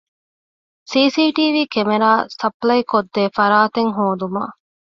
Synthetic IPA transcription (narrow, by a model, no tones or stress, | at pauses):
siːsiːʈiːʋiːkemeɾaːsɐplɐjkod̪ːeːfɐɾaːt̪eŋɦoːd̪uma̰ː